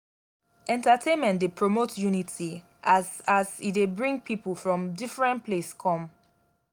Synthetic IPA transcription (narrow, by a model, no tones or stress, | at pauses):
ʔɛ̃ntatʰẽnmɛ̃ntdepʰɹomotʰjunitʰi | ʔasasitdebɹĩŋɡ̚pʰipəlˠfɹɔ̃mdifɹɛ̃npʰleskʰɔ̃m